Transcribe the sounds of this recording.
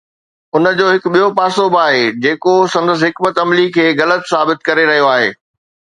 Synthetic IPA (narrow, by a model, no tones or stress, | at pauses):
ʊnə̆d͡ʑoːɦɪkɓijopaːsoːbaːɦeːd͡ʑeːkosɐ̃nd̪əs̬ɦɪkmət̪ɐmlikʰeːɣɐlət̪saːbɪt̪̚kɐɾeɾɐɦijoaːɦḛː